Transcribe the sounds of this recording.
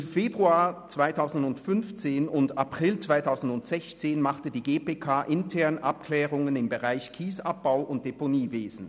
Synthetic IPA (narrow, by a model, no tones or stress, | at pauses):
mfeːbʁuaːɐt͡sv̥aɪtʰaʊzn̩dʊntfʏnft͡seːnʊntapʁ̥ɪlt͡sv̥aɪtʰaʊzn̩dʊntz̥ɛçt͡seːnmaχtədiːɡeːpeːkʰaːʔɪntʰɛɐnʔap̚kʰlɛːʁʊŋənɪmbəʁaɪçkʰiːsap̚b̥aʊʔʊnt̚d̥eponiːveːz̥n̩